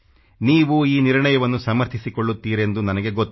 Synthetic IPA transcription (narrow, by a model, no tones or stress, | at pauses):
niːʋuiːniɾɳɐjɐʋɐnːusɐmɐɾt̪ʰisiko̞ɭːut̪ːiːɾe̞nd̪unɐnɐɡe̞ɡot̪ː